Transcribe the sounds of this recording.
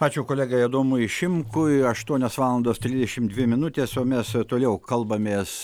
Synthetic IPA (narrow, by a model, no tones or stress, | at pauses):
pɑːt͡ʃʲuːkoːlʲæːɡɐid̪oːmʊɪʃʲɪmkʊɐʃt̪uɔnʲoːsʋɑːlˠɐnd̪oːst̪ʲɾʲɪzʲd̪ʲɛʃʲɪmd̪ʲʋʲɪmʲɪnʊt̪ʲeːsoːmʲɛst̪oːlʲɛʊkɐlˠbɐmʲeːs